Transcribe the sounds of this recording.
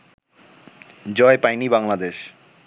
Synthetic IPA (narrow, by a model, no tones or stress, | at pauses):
d͡ʑɔepajnibaŋlad̪eʃ